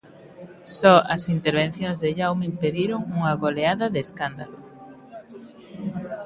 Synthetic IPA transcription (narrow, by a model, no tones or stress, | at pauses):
sɔɐsint̪eɾβ̞ẽn̟θjõŋzðeʎawmimpeðiɾoŋuŋɐɣoleaðɐðeskand̪alo